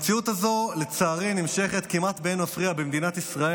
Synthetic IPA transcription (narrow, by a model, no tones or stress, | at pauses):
t͡siut̪azo̞let͡saːʁinimʃe̞χe̞t̪kimat̪benafʁiabemd̪inat̪isʁae